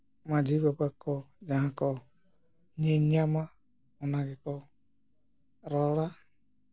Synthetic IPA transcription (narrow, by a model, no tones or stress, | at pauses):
mad͡ʒibapakɔd͡ʒaɦãkɔ | ɲɛɲama | ɔnaɡɛkɔ | ɾɔla